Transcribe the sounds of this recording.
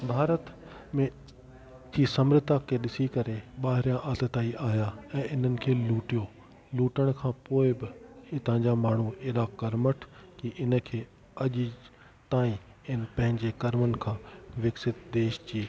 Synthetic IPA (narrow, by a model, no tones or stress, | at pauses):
bʱaːɾət̪ | mẽ | d͡ʑiːsɐmɾɪt̪akʰeːɗɪsikɐɾeɓaːɦɪɾijãʔaːt̪ət̪aːiʔaːijaɛ̃ːʔɪn̤ənɪ̆kʰeːluːʈijo | luːʈəɽ̃kʰãːpoːɪbɪɪt̪ɐ̃ɦɪ̃ɲd͡ʑamaːɳ̤ueːɗakɐɾməʈʰkiʔɪnə̆kʰeː | ɐʄ | t̪aːĩ | ɪnɪ̆pɐ̃ɦɪ̃ɲd͡ʑekɐɾmənɪ̆kʰãːʋɪksɪt̪̚d̪eːʃt͡ɕiː